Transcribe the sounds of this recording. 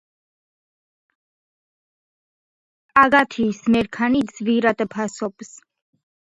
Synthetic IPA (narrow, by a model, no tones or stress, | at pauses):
aɡat̪ʰiːsmɛɾkʰanid̪zviɾat̪ʼɛpʰasɔps